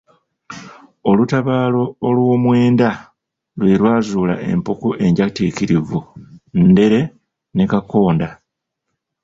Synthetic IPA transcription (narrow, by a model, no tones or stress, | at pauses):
o̞lutaβaːlo̞ːlwo̞ːmwe̞ːnda | lwelwaːzuːla̰ʔe̞̰mpokoʔe̞ɲɟaticiɾivunde̞ɾe̞ | ne̞kako̞ːnda